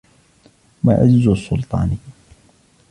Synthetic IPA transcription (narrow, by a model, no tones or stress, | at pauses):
ma̰ʔa̰d͡ʒɪzusˤːʊlt̪ˤɑ̰ːni